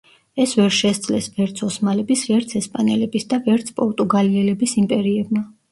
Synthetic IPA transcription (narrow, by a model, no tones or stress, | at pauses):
ɛsvɛɾʃɛsd̪zʼlɛsvɛɾt̪sʰɔsmalɛbisvɛɾt̪sʰɛspʼanɛlɛbisd̪avɛɾt̪sʰpʼɔɾt̪ʼuɡaliɛlɛbisimpʼɛɾiɛbma